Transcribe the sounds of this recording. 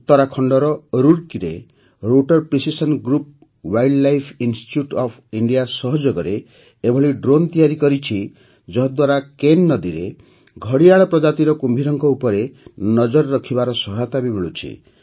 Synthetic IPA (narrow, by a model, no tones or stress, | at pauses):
t̪ɔɾakʰɔɳɖɔɾɔɾuɾkiɾe | ɾoʈɔɾpɾisisɔnɡɾup̚ | wajɖlajpʰinsʈi̥ʈjuʈɔpʰiɳɖijasɔɦɔd͡ʒɔɡɔɾe | ebʱɔɭiɖɾont̪ijaɾikɔɾit͡ʃʰi | d͡ʒɔɦɔd̪waɾakenːɔd̪iɾḛ | ɡʱɔɽiaɭɔpɾɔd͡ʒat̪iɾɔkumbʱiɾɔŋkɔupɔɾenɔd͡ʒɔɾɔɾɔkʰibaɾɔsɔɦat̪abibeɭut͡ʃʰḭ